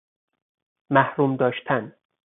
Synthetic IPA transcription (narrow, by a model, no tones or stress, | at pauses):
mæhɾuːmd̪ɒːʃt̪ʰæn